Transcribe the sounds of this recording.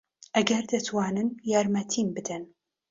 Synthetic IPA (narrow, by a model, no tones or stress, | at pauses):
ʔɐɡɐɾd̪ɐt̪waːnɨnjaɾmɐt̪ʰimbɨd̪ɐn